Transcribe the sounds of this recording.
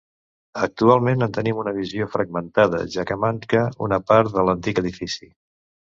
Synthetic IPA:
ək̚t̪ualˠmenənt̪ənimunəβ̞iziofɾəɡ̚mənt̪að̞ə̰ʒakəmaŋkəṵnəpaɾt̪ðələnt̪ikəðifisi

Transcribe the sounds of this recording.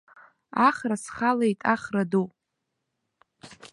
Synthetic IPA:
aχrasχalejtʼaχradu

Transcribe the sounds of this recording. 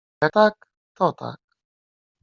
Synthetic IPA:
jat̪ak | t̪oːt̪a̰k̚

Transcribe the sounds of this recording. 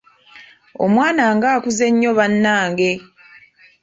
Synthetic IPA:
o̰mwaːnaːŋɡaːkuze̞ɲːo̞βanːaːŋɡe̞

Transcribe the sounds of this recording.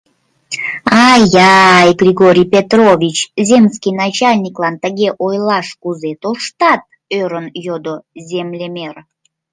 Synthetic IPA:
ɑjɑjɡrʲiɣoɾʲijpʲet̪rovʲit͡ɕzʲemskʲijnɑt͡ɕɑlʲnʲiklɑnt̪əɣʲeʔojlɑʃkuzet̪olʃt̪ɑt̪̚ | øɾənjod̪ozʲemlʲemʲer

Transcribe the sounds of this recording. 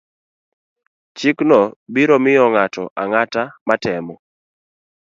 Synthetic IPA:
t͡ʃiknɔbiɾɔmɪjɔŋatɔ̰ʔaŋatamatɛmɔ

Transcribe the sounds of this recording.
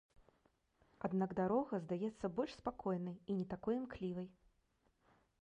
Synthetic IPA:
ad̪naɡd̪aɾɔɣɐzd̪ajɛt̪sːɐbɔlʲʂspakɔjnɐjinʲɛt̪akɔjmklʲivɐj

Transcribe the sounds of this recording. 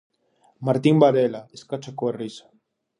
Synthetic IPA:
maɾt̪imbaðelaeskat͡ʃakoerisḁ

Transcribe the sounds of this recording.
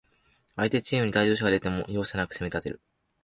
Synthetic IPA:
ait̪e̞t͡ɕiːmɯ̟ɲ̟it̪aid͡ʑo̞ːɕ̬oɡaɾet̪e̞mo̞̰jo̞ːsanakɯ̥se̞me̞t̪at̪e̞ɾɯ̟

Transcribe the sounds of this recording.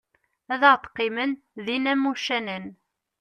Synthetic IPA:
æðəʁt̪ːqːimən | ðinæmːuʃænən

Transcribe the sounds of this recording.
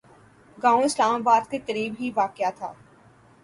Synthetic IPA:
ɡãːõɪslaːmaːbaːd̪kekəɾiːbɦiʋaːkjat̪ʰa̰ː

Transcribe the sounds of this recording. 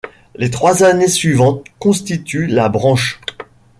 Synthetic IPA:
let̪χwazanesɥivɑ̃t̪̚kɔ̃st̪it̪ylabʁɑ̃ʃ

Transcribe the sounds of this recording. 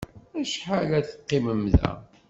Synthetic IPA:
æʃħalæθqːiməmðæ̰

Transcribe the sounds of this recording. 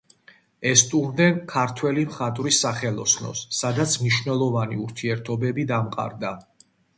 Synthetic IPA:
ɛst̪ʼumd̪ɛnkʰaɾt̪ʰwɛlimχat̪ʼɾisaχɛlˠɔsnɔ̰sːad̪at̪sʰmniʃnɛlˠɔvaniuɾt̪ʰiɛɾt̪ʰɔbɛbid̪amqʼa̰ɾd̪a

